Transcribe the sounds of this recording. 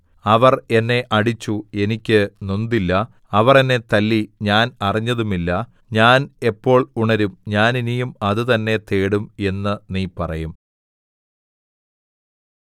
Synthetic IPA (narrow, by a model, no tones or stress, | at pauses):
ɐʋɐre̞nːe̞ʔɐɽit͡ɕːue̞nikʲːɨnond̪ilːɐ | ɐʋɐrenːe̞t̪ɐlːiɲaːnɐriɲːɐðumilːɐ | ɲaːne̞pːo̞ːɭuɳɐɾumɲaːninijumɐðɨt̪ɐnːe̞t̪e̞ːɽume̞nːɨniːpɐrɐjum